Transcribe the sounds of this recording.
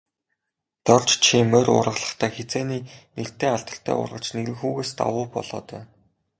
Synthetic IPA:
t̪ɔr̥ʲt͡ɕt͡ɕʰimœrʊ̰rʁə̆ɮə̥̆χt̪ʰæːxet͡seːniːner̥t̪eːaɮt̪ə̆r̥t̪ʰæ̰ːʊ̰rʁə̆t͡ɕneɣɾɘ̆ŋxuːɣeːst̪a̰wʊːpɔ̰ɮɔ̰ːt̪œː

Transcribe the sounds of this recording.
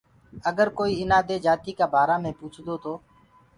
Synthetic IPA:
əɡəɾkoːiːɪnaːd̪eːd͡ʒaːt̪iːkaːbʱaːɾãːmẽːpuːt͡ʃʰd̪oːt̪ʰoː

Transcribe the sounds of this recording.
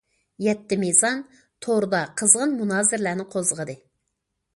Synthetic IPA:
jɛt̪ːɪmezɑn | t̪ʰoɾɨd̪ɑqʰəzʁənmunɑːzɪɾlæɾnɪqʰozəʁəd̪ɨ

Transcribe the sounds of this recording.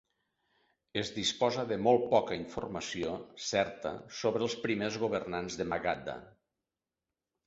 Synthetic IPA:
ezðispɔzəðəmolˠt̪̚pɔkəiɱfṵrməsiosɛɾt̪ə̰soβɾəlˠspɾimezɣuβ̞ərnanzðəmaɣad̪a̰

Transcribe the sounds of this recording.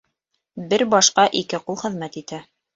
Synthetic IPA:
bɘɾbɑʃqɑʔikɘqulˠχɘ̆ðmæt̪it̪æ

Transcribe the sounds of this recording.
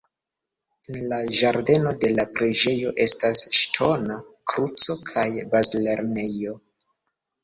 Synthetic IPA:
enlaʒaɾde̞no̞de̞lapɾed͡ʒe̞jo̞ʔe̞stasʃtʰo̞na | kɾut͡so̞kʰajbazle̞ɾne̞jo̞

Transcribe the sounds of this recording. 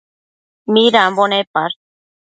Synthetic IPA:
miɾambonepaɾ

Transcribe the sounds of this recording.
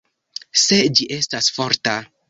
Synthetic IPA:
se̞d͡ʒiʔe̞stasfo̞ɾta

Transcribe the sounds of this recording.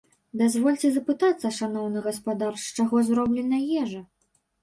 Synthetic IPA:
d̪azvɔlʲt͡sʲɛzɐpɨt̪at̪sːɐʂanɔwnɨɣɐspad̪arʂt͡ʂaɣɔzɾɔblʲɛnɐjɛʐɐ

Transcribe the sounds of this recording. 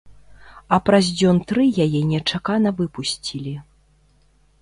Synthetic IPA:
ɐpɾazʲd͡zʲɔnt̪ɾɨjajɛnʲɛt͡ʂakanɐvɨpusʲt͡sʲilʲi

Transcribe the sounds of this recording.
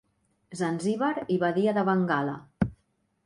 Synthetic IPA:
zanziβaɾiβaðiaðəβaŋɡala̰

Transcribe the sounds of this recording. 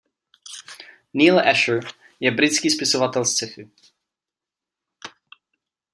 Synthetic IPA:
niːlɛʃə | jɛbɾɪt̪t͡skiːspɪsovat̪ɛlst͡sɛfɪ

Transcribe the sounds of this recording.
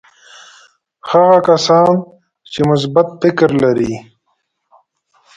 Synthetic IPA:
haɣakasɑːn | t͡ʃemʊs̬bat̪fɪkɾlaɾiː

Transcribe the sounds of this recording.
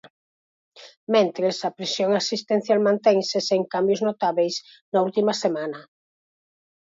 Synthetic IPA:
mẽnt̪ɾesɐpɾesjoŋasist̪en̟θjalmãnt̪ɛŋseseŋkambjʊznot̪aβejs | nɐult̪imɐsemanɐ

